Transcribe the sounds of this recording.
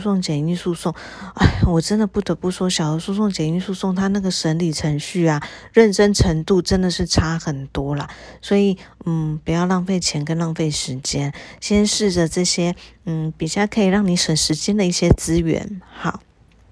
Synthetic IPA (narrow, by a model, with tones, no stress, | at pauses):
sʊ˥˩ŋt͡ɕjɛ˨˩ny˥˧su˥˧sʊ˥˩ŋ | a˥˩wɔ˨˩ʈ͡ʂə˥nd̪ə˨pu˥˩t̪ɤ˧˥pu˥˩ʂwɔ˥ɕjɑ˨˩ʊo˧˥su˥˧sʊ˥˩ŋt͡ɕjɛ˨˩ny˥˧su˥˧sʊ˥˩ŋt̪ʰa˥na˥˩ɡə˩ʂə˧˥nli˨˩ʈ͡ʂʰə˧˥ŋɕy˥˩ɐ˨˩ɻə˥˩nʈ͡ʂə˥nʈ͡ʂʰə˧˥ŋt̪u˥˧ʈ͡ʂə˥nd̪ə˨ʂɻ̩˥˩ʈ͡ʂʰa˥xə˨˩nt̪wɔ˥lə˨swɔ˧˥i˨˩˦n̩˥˩pu˨˥jɑ˥˧ʊlɑ˥˧ŋfe˥˩ɪt͡ɕʰjɛ˧˥nkə˥nlɑ˥˧ŋfe˥˩ɪʂɻ̩˧˥t͡ɕjɛ˥nɕjɛ˥nʂɻ̩˥˩də˩ʈ͡ʂɤ˥˩ɕjɛ˥n̩˥˩pi˨˩ɕja˥˩kʰə˧˥i˨˩ɻɑ˥˩ŋni˧˥xə˨˩nʂɻ̩˧˥t͡ɕjɛ˥nd̪ə˨i˥˩ɕjɛ˥t͡sɹ̩˥ɥɛ̰˧˥nxɑ˥˩